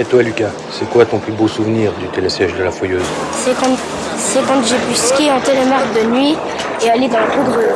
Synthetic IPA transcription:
et̪walykʲa | sɛkwat̪ɔ̃plybosuvniːʁd̪yt̪elɛsɛʒd̪əlafɔjøːzsɛkɑ̃ | sɛkɑ̃t̪ʒebyskʲeɑ̃t̪elemaʁd̪ənɥi | ealed̪ɑ̃lt̪uɡ̪ʁø

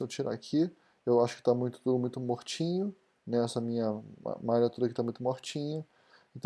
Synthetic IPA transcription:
ot͡ʃiɾa̰kʰi | ewaʃʊ̥kɪ̥t̪amũj̃t̪ʊ̥t̪umũj̃t̪ʊmoht͡ʃĩɲʊ | nɛɛsɐmĩɲɐa̰maɾaɐt̪ud̪ɐkɪt̪amũj̃t̪ʊmoht͡ʃĩɲɐ | ĩnt̪

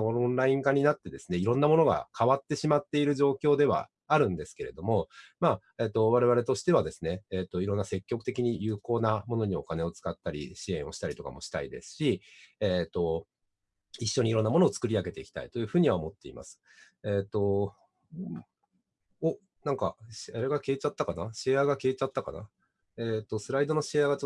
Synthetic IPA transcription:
oõnɾaĩŋkaɲ̟inat̪ːe̞d̪e̞sɨ̥ne̞iɾõ̞nːamo̞no̞ɡa̰kʰaβat̪ːe̞ɕimat̪ːe̞iɾɯ̟ʑo̞ːkʲo̞ːd̪e̞βa̰ː | ɾɯ̟̃nd̪e̞sɨ̥ke̞ɾe̞d̪o̞mo̞maː | e̞ːt̪ːo̞βaɾe̞βaɾe̞t̪o̞ɕi̥t̪e̞βad̪e̞sɨ̥ne̞ːt̪ːo̞iɾõ̞nːase̞kʲːo̞kɯ̟t̪e̞kʲiɲ̟ijɯ̟ːko̞ːnamo̞no̞ɲ̟io̞kane̞o̞t͡sɨ̥kat̪ːaɾʲḭɕiẽ̞ɰ̃o̞ɕi̥t̪aɾit̪o̞ka̰mo̞ɕi̥t̪aid̪e̞̰sɨ̥ɕieːt̪ːo̞ | iɕːo̞ɲ̟iɾõ̞nːamo̞noːt͡sɨ̥kɯ̟ɾʲiaɡe̞t̪e̞ikʲi̥t̪a̰it̪o̞jɯ̟ːɸɯ̟ːɲ̟iβaomo̞t̪ːe̞ḭma̰sɨ̥ | eːt̪o̞ | o | nãŋkaɕaɾe̞ɡakʲeːt͡ɕat̪ːakanaɕieaɡakʲeːt͡ɕat̪ːakana̰ | eːt̪ːosɨɾaid̪o̞noɕieaɡa

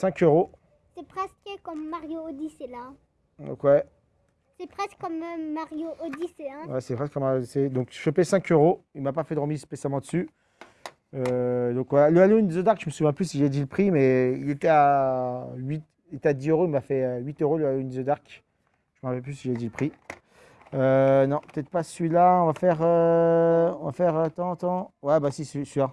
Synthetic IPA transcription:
sɛ̃køʁo | sɛpχɛskəkɔmːaʁjoːd̪isela | d̪ɔ̰̃kwɛ | sɛpχɛskkɔmmaʁjoʔod̪iseɛ̃wɛsɛpχɛskːɔmaʁjod̪ised̪ɔ̃kʒəpɛsɛ̃køʁoilmapafɛd̪əʁəmizspesjalmɑ̃d̪əsy | ød̪ɔ̃kwalaləaloind̪izod̪aʁkʒəməsuvjɛ̃plysiʒaɛd̪iləpχimɛilet̪ɛa | ɥit̪ | ilet̪ɛad̪izøʁoilmafɛøɥit̪øʁoləaloind̪izod̪aʁk | ʒ̥əməʁapɛlplysiʒaɛd̪iləpχi | ønɔ̃pə̥t̪ɛt̪χpasɥilaɔ̃vafɛʁø | ɔ̃vafɛʁt̪ɑ̃t̪ɑ̃wɛbasissyʁ

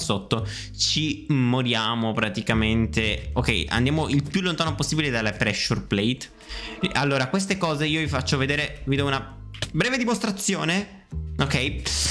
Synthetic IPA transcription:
sot̪ːo | t͡ʃimoɾjaːmopɾat̪ikament̪eokːɛjʔa̰nd̪jaːmoʔilpjulːont̪aːnoposːiːbiled̪alːepɾɛʃːurplejt̪ | alːoːɾakwes̬t̪ekɔːzeiːovifat͡ʃːoved̪eːɾevid̪ɔuna | bɾɛːved̪imost̪ɾat̪sːjoːne | okɛj

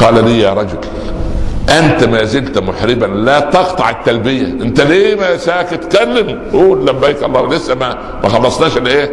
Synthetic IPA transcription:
qɑːlæliːjæːɾˤɑd͡ʒʊl | ʔænt̪æmæːzɪlt̪mʊħɾɪbænlæːt̪ɑqt̪ˤɑʕɪt̪ːælbɪjæʔɪnt̪æliːmæsæːkɪt̪kælːɪm | ʔuːnlæbːæjkɑ̰lˤːɑːwlesːæmæ | mæxɑlːɑsˤnɑːʃɪlʔeː

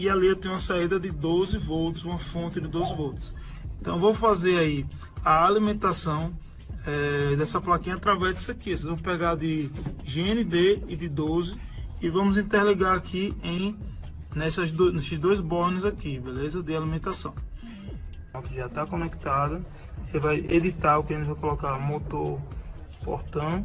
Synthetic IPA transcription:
ialiewt̪ẽj̃ũɐsaid̪ɐd̪ɪd̪ozɪvowt̪ʊzũmɐfõt̪ɪd̪ɪd̪ojzvowt̪ʊ̥s | ẽt̪ɐ̃w̃vowfazeɾai | ɐalimẽnt̪asɐ̃w̃ | ɛd̪ɛsɐplakĩɲɐat̪ɾavɛzd̪ɪsekiɛsezvɐ̃mʊpɛɡad̪ɪʒeẽnid̪eːd̪ɪd̪ozɪ | ɪvɐ̃mʊzĩt̪ɛɾliɡaɾakʰiẽj̃ | nɛsɐzd̪onesɪzd̪ojzbɔɾnʊzakibelezɐd̪ɪalimẽnt̪asɐ̃w̃ | ʊkɪʒat̪akõnɛkt̪ad̪ɐ | elɪvajḛd̪it̪aɾʊkɪʒẽnvajkɔlɔkaɾmot̪oɾpɔ̰ɾt̪ɐ̃w̃

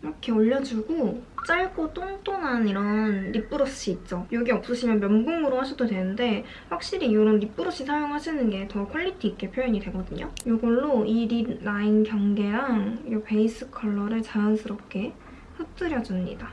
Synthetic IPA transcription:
iɾʌkʰe̞oʎːʌd͡ʑuɡot͡ɕ͈aɭɡot͈ʰoŋt͈onaniɾʌnɾip͈ɯɾoɕ͈iːt̚t͡ɕ͈ojoɡiʌp̚s͈ɯɕʰimjʌnmjʌmɡoŋɯɾohaɕʰʌdodwe̞nɯnde̞ | ɸwak̚ɕ͈iɾijoɾʌnɾip͈ɯɾoɕ͈isʰajoŋɦaɕʰinɯnɡe̞tʌkʰʌʎːitʰiːk͈e̞pʰjojʌɲidwe̞ɡʌdɯɲojoɡʌɭːoiɾinainkjʌŋɡe̞ɾaŋope̞is͈ɯkʰʌɭːʌɾɯɭt͡ɕajʌnsʰɯɾʌp̚k͈e̞ | ɸɯk̚t͈ɯɾjʌd͡ʑumɲḭda

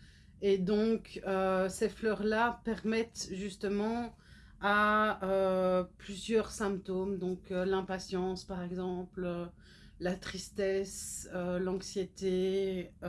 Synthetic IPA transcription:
ed̪ɔ̃køsɛflœʁlapɛʁmɛt̪ʒyst̪əmɑ̃ | aøplyzjœʁsɛ̃pt̪omd̪ɔ̃kølɛ̃pasjɑ̃spaʁɛɡzɑ̃plø | lat̪χist̪ɛsølɑ̃ksjet̪e

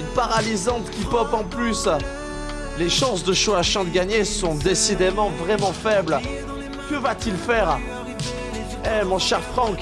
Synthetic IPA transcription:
paʁalizɑ̃t̪kʲipɔpɑ̃plys | leʃɑ̃sd̪əʃoaʃɑ̃d̪əɡʲaɲesɔ̃d̪esid̪emɑ̃vʁɛmɑ̃fɛbl | kəvat̪ilfɛʁ | ɛmɔ̃ʃɛʁfχɑ̃k

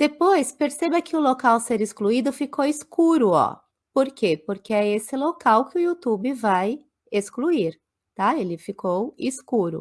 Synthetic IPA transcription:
d̪̥epojspeɾsebɐkɪʊlokawseɾiskluid̪ʊfikowiskuɾʊɔ̰ | poɾkepoɾkeɛesɪlokawkɪʊiut̪ubɪvaj | eskluiɾ | t̪aelɪfikowiskuɾʊ̰

